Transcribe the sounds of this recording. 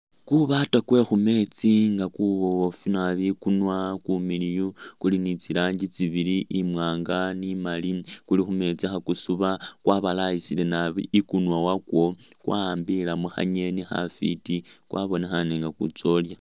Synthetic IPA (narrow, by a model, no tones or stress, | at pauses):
kuβatakwe̞xume̞t͡siŋɡakuβoofinaβikunwakumilijokulinit͡siɾaːɲɟit͡siβiliʔimwaːŋɡanimalikulixume̞t͡sixakusuβakwaβalajisile̞naβikunwawakwo̞kwʔambilamuxa̰ɲe̞nixa̰fḭtikwaβo̞nexaneŋɡakṵt͡so̞lja